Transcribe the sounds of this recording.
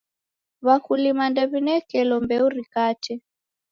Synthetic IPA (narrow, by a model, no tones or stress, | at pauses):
βakulimandaβinɛkɛlɔmbɛuɾikatɛ